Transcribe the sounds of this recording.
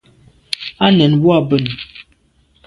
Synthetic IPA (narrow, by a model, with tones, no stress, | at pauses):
a˦nɛ˨nbu˦a˨bə˦˨n˨